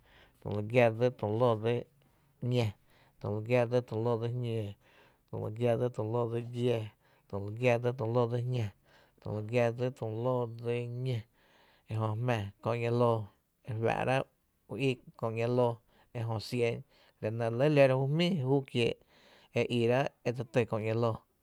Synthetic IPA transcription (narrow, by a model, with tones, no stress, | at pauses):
t̪õ̰˨lə˨ɡja˧ɾd͡zɨ˦t̪ũ˨lo˦˨d͡ze˦ | ɲẽ˧ | t̪õ̰˨lɨ˧ɡja˧d͡zɨ˦t̪ũ˨lo˦d͡zɨ˧ɲẽ˧˨ | t̪õ̰˧˨lɨ̰˧˨ɡja˧d͡zɨ˦t̪õ˨loː˦˧˨d͡zɨ˧dje˧ | t̪õ˨la˧ɡja˧d͡zɨ˦t̪ũ˨lo˦d͡zɨ˧˦ɲẽ˧ | t̪õ̰˨lɨ˧ɡja˧d͡zɨ˦t̪ũ˨loː˦˨d͡ze˧ɲẽ˧ | e˧ɦõ˧hmɛ̃˧˨kõ˧ʔŋã˧loː˧ | e˧wa̰˧˨ʔɾa˦ | u˧i˦˧kõ˧˨ʔŋã˧loː˧ | e˧ɦõ˧sje˧ɲ | lʲa˨nã˧lə˦le˧ɾa˧hu˦hmĩː˦˨huː˦kjeː˧˨ʔ | e˧ʔi˧˨ɾa˦e˧t͡sa˧t̪e˧˨kõ˧ʔŋã˧loː˧